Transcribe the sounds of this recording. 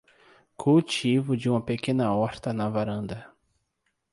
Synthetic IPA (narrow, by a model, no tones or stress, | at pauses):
kʰuwt͡ʃivʊd͡ʒɪũmɐpekẽnɐɔɾt̪ɐnɐvaɾɐ̃nd̪ɐ